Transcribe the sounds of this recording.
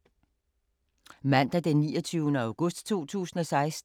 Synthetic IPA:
mæn̰d̥æd̥enːḭːɒt͡sʰyːʊnəɑ̈ʊɡ̥ɔ̽sd̥t͡sʰo̝̰ːt͡sʰṵːsn̩ɒ̽sɑ̈ɪs

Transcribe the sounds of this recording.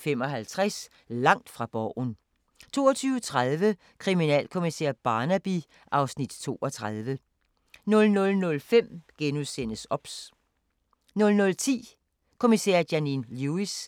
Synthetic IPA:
fem̰ɒ̽ɦælt͡sʰʁas | lɑ̈ŋ̰d̥fʁɑ̈b̥ɒʊ̰n | t͡sʰo̝ːɒt͡sʰyːʊət͡sʰʁaðˠʋə | kʰʁiminɛ̰ːlkʰo̝misḛɐb̥ɑ̈ːnæb̥i | ʔɑ̈ʊsnid̥t͡sʰo̝̰ːɒt͡sʰʁað̞ˠʋə | nɔ̽lnɔ̽lnɔ̽lfem̰ɡ̥enuðˠsen̰əsɒ̽b̥s | nɔ̽lnɔ̽lt͡sʰḭː | kʰo̝misɛ̰ɐd̥jæninluis

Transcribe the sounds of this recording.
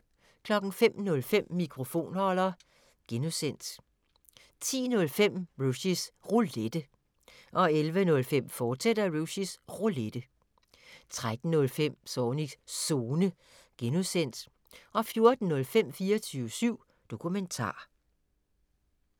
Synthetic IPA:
kʰlɒ̽ɡ̥n̩fem̰nɔ̽lfem̰ːikʰʁo̝fo̝̰ːnhɒ̽lɐ | ɡ̥enusen̰d̥ | t͡sʰḭːnɔ̽lfem̰ʁuɕisʁuled̥ə | ʔɒ̽elʋənɔ̽lfem̰fɒ̥ːsed̥ɐʁuɕisʁoled̥ə | t͡sʰʁad̥n̩nɔ̽lfem̰sɒːniɡso̝ːnə | ɡ̥e̝nusen̰d̥ | ʔɒ̽fjo̝ɐd̥n̩ːɔ̽lfem̰fiːɐt͡sʰyːʊəsyʊ̰ | d̥o̝kʰument͡sʰɑ̰̈ː

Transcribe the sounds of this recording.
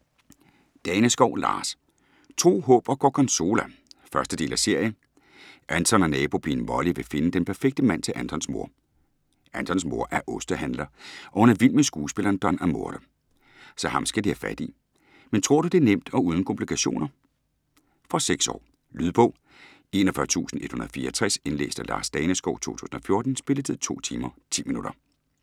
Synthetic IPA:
d̥ɛːnəsɡ̥ɒʊ̰lɑ̰̈ːs | t͡sʰo̝̰ːɦɔ̽ːb̥ɒ̽ɡ̥ɒ̰ːkʰɒ̽nso̝ːlæfɶɐsd̥əd̥e̝̰ːlæse̝ɐ̰jə | ʔænt͡sʰɒ̽nɒnɛːb̥o̝pʰinʋɒliʋe̝fe̝nəd̥enpʰæɐfeɡ̥̚d̥əmæn̰t͡sʰe̝lʔænt͡sʰɒ̽nsmoɐ̰ | ænt͡sʰɒ̽nsmo̝ɐ̰ʔæɐʔɔ̽sd̥ɐhænlɐʔɒ̽hunæɐʋil̰mesɡ̥uːsb̥e̝lɐːnd̥ɒnæmo̝ɐɾ̥ɐ | sɒ̽hɑ̈msɡ̥ædihæfæd̥i | ment͡sʰʁo̝̰ɐ̰ɾ̥ud̥e̝æɐnem̰d̥ɒ̽uːð̞ˠn̩kʰɔ̽mpʰlikʰæɕo̝̰ːnɐ | fɒ̽seɡ̥sɒ̰ː | lyðˠb̥ɔʊ | e̝nɒfɶɐt͡sʰṵːsn̩e̝d̥hunɐð̩ˠfḭːɐt͡sʰʁɛse̝nlḛːsd̥əlɑ̈ːsd̥ɛːnəsɡ̥ɒʊ̰t͡sʰo̝̰ːt͡sʰṵːsn̩ɒ̽fjo̝ɐd̥n̩sb̥e̝ləd̥ʰeðˠt͡sʰo̝̰ːt͡sʰiːmɐt͡sʰḭːminuɾ̥ɐ

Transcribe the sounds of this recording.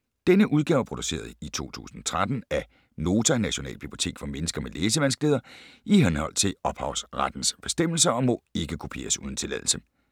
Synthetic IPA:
d̥enəʔuð̞ˠɡ̥ɛʊpʰʁo̝d̥use̝̰ːɐð̞ˠit͡sʰo̝̰ːt͡sʰṵːsn̩ɒt͡sʰʁad̥n̩æ | no̝ːt͡sʰænæɕo̝nɛ̰ːlb̥yb̥lio̝t͡sʰe̝̰ːɡ̥fɒ̽menəsɡ̥ɐmeleːsəʋænsɡ̥leð̞ˠɐʔiɦenhɒ̽l̰t͡sʰe̝lɒ̽b̥hɑ̈ʊsʁad̥n̩sb̥e̝sd̥em̰l̩s̬ɐɒ̽mɔ̽e̝ɡ̥əkʰopʰe̝̰ːɐsuːð̞ˠn̩t͡sʰe̝lɛ̰ðˠl̩sə

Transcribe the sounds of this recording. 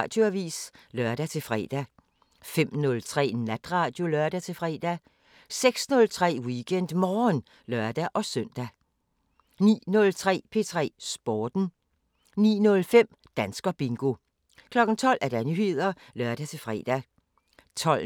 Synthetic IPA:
d̥øɐʋḭːslɶɐɾ̥æt͡sʰe̝lfʁɛ̰d̥æ | fem̰nɔ̽lt͡sʰʁɛ̰ːnæd̥ʁɑ̈ːd̥jo̝lɶɐd̥æt͡sʰe̝fʁɛːd̥æ | seɡ̥snɔ̽lt͡sʰʁɛ̰ːwiɡ̥ʰen̰d̥mɒːn | lɶɐd̥æʔɒ̽sœn̰d̥æ | nḭːnɔ̽lt͡sʰʁɛ̰ːpʰe̝t͡sʰʁɛ̰ːsb̥ɒːd̥n̩ | nḭːnɔ̽lfem̰ | d̥ænsɡ̥ɐb̥iŋɡ̥o̝ | kʰlɒ̽ɡ̥n̩t͡sʰɒ̽l̰ʔæɐd̥ɑnyhe̝ð̰ˠɐ | lɶɐd̥æt͡sʰe̝lfʁɛ̰ːd̥æ | t͡sʰɒ̽l

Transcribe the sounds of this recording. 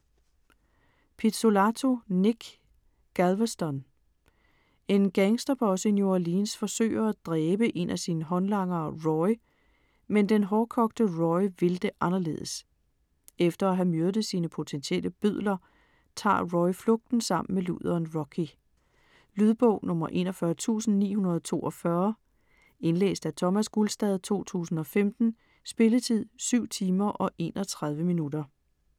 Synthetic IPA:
pʰidso̝lɑt͡sʰo̝niɡ̥ | ɡ̥ælʋɐsd̥ɒn | e̝nɡ̥æŋsd̥ɒb̥ʰɒ̽səinjoɐliːnsfɒ̽sø̰ːɪɐæd̥ʁɛːb̥əʔe̝n̰ʔæsiːnəɦɒ̽nlɑ̈ŋɐːʁɒɪ | mend̥enɦɒːkʰɒ̽ɡ̥̚d̥əʁɒɪʋe̝ld̥e̝ʔɑ̈nɐle̝̰ːð̰ˠəs | efd̥ɐæɦæmøɐd̥̩siːnəpʰo̝t͡sʰensiel̰əb̥yðˠlɐ | t͡sʰɑ̰̈ːʁɔɪflɔɡ̥̚d̥n̩sɑ̈m̰n̩melṵð̰ˠɐːnʁɒkʰi | lyðˠb̥ɔʊ̰nɔ̽mɐʔe̝̰ːnɒfɶɐt͡sʰṵːsn̩nḭːhunɐð̞ˠt͡sʰo̝̰ːʔɒfɶɐ | e̝nlḛːsd̥æt͡sʰɒ̽mæsɡ̥ulsd̥ɛð̞ˠt͡sʰo̝̰ːt͡sʰṵːsn̩ɒ̽femd̥n̩ | sb̥e̝lət͡sʰið̞̰ˠsyʊ̰t͡sʰiːmɐʔɒ̽ʔe̝̰ːnʔɒ̽t͡sʰʁäðˠʋəminud̥ɐ

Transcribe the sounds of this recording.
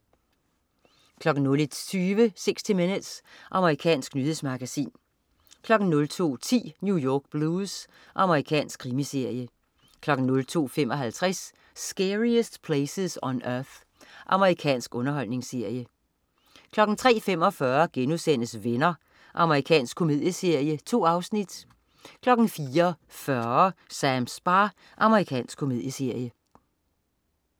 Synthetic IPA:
kʰlɒ̽ɡ̥n̩nɔ̽li̥t͡sʰyːʋəse̝ɡ̥sd̥ime̝nəd̥sʔɑ̈məʁikʰɛ̰ːnsɡ̥nyðesmɑ̈ɡ̥æsḭːn | kʰlɒ̽ɡ̥n̩nɔ̽lt͡sʰo̝̰ːt͡sʰḭːnjujɒːɡ̥̚b̥luːs | ʔɑ̈məʁikʰɛ̰ːnsɡ̥kʰʁimise̝ɐ̰jə | kʰlɒ̽ɡ̥n̩nɔ̽lt͡sʰo̝̰ːfemɒ̽ɦælt͡sʰʁɛsː | ɡ̥eʁiəsd̥pʰleɪsəsɒnœɐθ | ʔɑ̈məʁikʰɛ̰ːnsɡ̥ɔ̽nɐɦɒ̽l̰ne̝ŋse̝ɐ̰jə | kʰlɒ̽ɡ̥n̩t͡sʰʁɛ̰ːfem̰ɒ̽fɶɐɡ̥enuðˠsen̰əsʋenɐ | ʔɑ̈məʁikʰɛ̰ːnsɡ̥̚kʰo̝me̝ðˠjəse̝ɐ̰jət͡sʰo̝̰ːɑ̈ʊsnid̥ | kʰlɒ̽ɡ̥n̩fiːɐ | fɶɐsæmsb̥ɑ | ʔɑ̈məʁikʰɛ̰ːnsɡ̥kʰome̝ð̰ˠjəse̝ɐ̰jə

